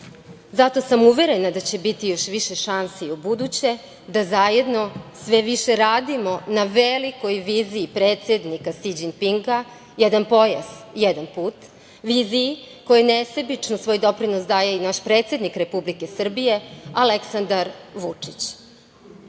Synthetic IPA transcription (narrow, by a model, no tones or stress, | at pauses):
zat̪o̞samuʋe̞ɾe̞nad̪at͡ɕe̞bit̪ijo̞ʃʋiʃeʃansiubud̪ut͡ɕe̞ | d̪azajed̪no̞sʋe̞ʋiʃeɾaːd̪imo̞naʋeliko̞jʋiːziːpɾeːt̪se̞d̪nikasid͡ʑinpiŋɡa | jɛd̪anpo̞jaz̥jed̪anpuːt̪ | ʋiːzii | ko̞jenesebit͡ʂnosʋojd̪o̞pɾinosd̪aːjeinaʃpɾe̞ːt̪sʲje̞d̪nikɾe̞publikesr̩bije̞aleksand̪aɾʋut͡ʂit͡ɕ